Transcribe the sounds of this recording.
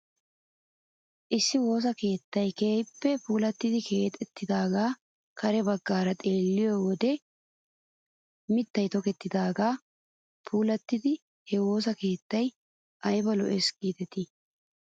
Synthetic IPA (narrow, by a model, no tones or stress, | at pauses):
ʔɪsːɪwo̞ːs̬ɐke̞ːt̪ːɐjke̞ːjpːɛpuːlɐt̪ːɪd̪ɪkʰe̞ːt̪ʼɛt̪ːɪd̪aːɡaː | kʰɐɾɛbɐɡːaːɾɐt̪ʼe̞ːlːɪjowɔd̪ɛ | mɪt̪ːɐjt̪ɔkɛt̪ːɪd̪aːɡaː | pʰuːlɐt̪ːɪd̪ɪ | hɛwo̞ːs̬ɐke̞ːt̪ːɐj | ʔɐjbɐlɔ̰ʔɛsɡiːt̪ɛt̪ɪ